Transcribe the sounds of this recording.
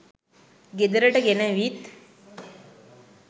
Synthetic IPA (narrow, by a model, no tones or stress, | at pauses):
ɡed̪əɾəʈəɡenəʋit̪